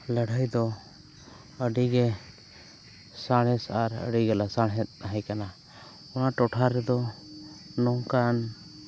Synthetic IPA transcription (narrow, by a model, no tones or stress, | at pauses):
ləɽʱajd̪ɔ | əɖiɡɛ | saɽ̃ɛsaɾə̰ɖiɡɛlasaɽɦɛt̪̚ˀnaɦajkana | ɔnaʈɔʈʰaɾɛd̪ɔ | nɔŋkan